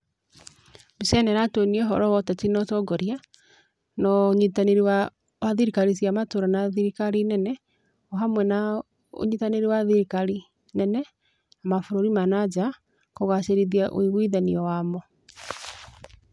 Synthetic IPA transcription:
bisɛnɛɾatoniɛɦɔɾɔwɔtɛtinɔtɔɡɔɾia | nɔɲitaneɾiwa | waðiɾikaɾisjamatoɾanaðiɾikaɾinɛnɛ | ɔɦamwɛna | o̰ɲitaneɾiwaðiɾikaɾi | nɛnɛ | amafoɾoɾimanad͡ʒa | koɣaseɾiðiaʔo̰iβwiðaniɔwamɔ

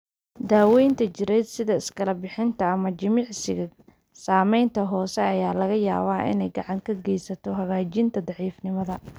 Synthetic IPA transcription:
d̪aːwɛjnt̪ʰɐt͡ʃɪɾɛjd̪sɪðɐɪskʰɐlɐbɪħɪnt̪ʰɐːmɐt͡ʃɪmɪʕsɪɣɐ | saːmɛjnt̪ʰɐɦɔːsɛɐjaːlɐɣɐjaːβaːʔɪ̰nɛjɡɑʕɑŋkʰɐɡɛjsɐt̪ʰɔɦɐɣaːt͡ʃɪnt̪ʰɐd̪ɑʕiːfnɪmɐðɐ

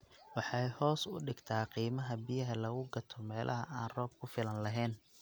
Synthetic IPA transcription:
wɑħɑjhɔːsʊ̰ɖɪɡt̪ʰaːqiːmɐɦɐbɪjɐɦɐlɐɣʊɡɐt̪ʰɔmɛːlʔɐ̰ɦɐʔaːnrɔːb̚kʰʊfɪlɐnlɐɦɛːn

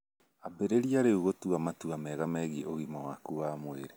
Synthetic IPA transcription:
abeɾeɾiaɾeuɣotuamatuamɛɣamɛɣiʔoɣimawakuamoeɾe

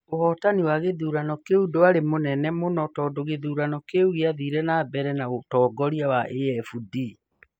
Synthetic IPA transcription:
ohɔtaniwaɣeðuːɾanɔkeudoaɾemonɛnɛmonɔtɔːdoɣeðuːɾanɔkeuɣeaðiɾɛnabɛɾɛnaotɔːɡɔɾiawaʔeɛfudi

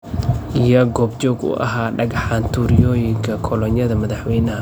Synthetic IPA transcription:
ʔijɔɡɔːbt͡ʃɔːɡʊ̰ʔɐ̰ɦaːɖɐɡɑħaːnt̪ʰuːɾɪjɔːjɪŋkʰɐkʰɔlɔnjɐðɐmɐðɐħwɛjnɐɦɐ

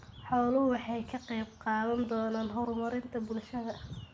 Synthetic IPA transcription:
ħɔːlʊɦʊwɑħɑjkʰɐqɛjb̚qɑːðɐnd̪ɔːnaːnɦɔɾʊmɐɾɪnt̪ʰɐbʊlʃɐðɐ

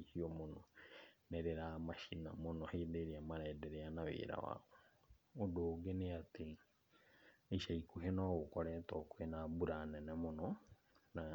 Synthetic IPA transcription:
ihiɔmonɔnɛɾeɾamaʃina̰monɔhedeɾeamaɾaːdɛɾeanaβḛːɾa̰wa̰o | odoːɡeneate | eiʃaikuɦenaɣokɔɾɛtɔkoenabuɾanɛnɛmonɔ | na

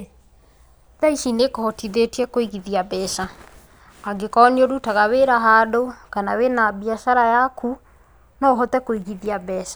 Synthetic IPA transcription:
ðaiʃinekɔhɔtiðetiɛkoiɣiðiabɛʃa | aɡekɔneoɾutaɣaweɾaɦadokanawenabiaʃaɾajakʰu | nɔɦɔtɛkoiɣiðiabɛːʃa

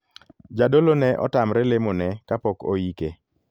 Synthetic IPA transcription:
d͡ʒadolonɛʔɔ̰tamɾɛlemonɛkapɔko̰jike

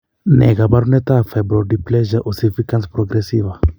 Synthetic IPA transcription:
nɛ̰ɡabaɾunɛt̪afɛbɾɔɾdiplɛʒaʔosifikãnspɾoɡɾesiva

